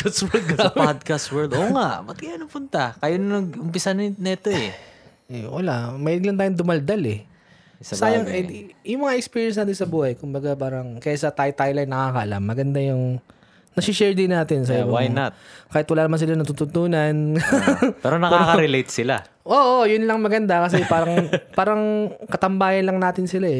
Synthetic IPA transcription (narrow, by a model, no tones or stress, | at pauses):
kaswɛɡamad̪̚kaswɛɹld̪ʔoːŋaʔbɐt̪̚kɐjanɐpʊnt̪ɐkɐjonɐnɐɡʊmpɪsannɐɛt̪oɛ | ɛwɐlamɐilɪɡlɐnt̪aːjʊnd̪ʊmɐld̪alɛ | ssaːjɐŋɛjʊŋmɐŋaʔɛkspiːɹjɛns̬naːt̪̬ɪnsɐbuːhɐjkʊmbɐɡapaːɾɐŋkɐjasɐt̪ajt̪ajlajnɐkaːkɐʔɐla̰mːɐɡɐnd̪ajʊŋ | nɐsɪʃɛɹd̪ɪnaːt̪ɪns̬ɐbwajnɐtkaːhɪt̪wɐlaːnɐmans̬ɪlanɐt̪ut̪ʊt̪uːnɐn | pɛɾonɐkːaɾkɐɾɛlejt̪̚sɪla̰ | ʔoːʔojʊnlɐŋmɐɡɐnd̪akɐs̬ɛpaːɾɐŋpaːɾɐŋkɐt̪ɐmbaːjɐnlɐŋnaːt̪ɪnsɪlaɛ